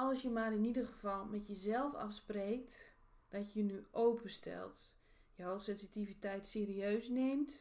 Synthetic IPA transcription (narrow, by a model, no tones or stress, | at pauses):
ɔlˠsjəmaːrɪnidərɣəvɑlˠmɛtjəzɛlˠfɑ̰fspreːk̚t | d̥ɔtəjənyʔowpəstʰɛ̰lˠt | jəɦoːxsɛnsitivitɛjtseːɾiøːsneːmt